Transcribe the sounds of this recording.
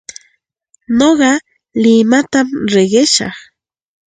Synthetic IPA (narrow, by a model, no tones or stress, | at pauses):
noɢɑ | lɪmat̪amɾeɢeʃɑ̰χ